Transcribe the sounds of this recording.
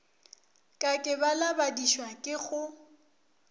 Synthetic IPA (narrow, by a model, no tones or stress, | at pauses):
kʼakʼɪbalabadiʃwakʼɪɣʊ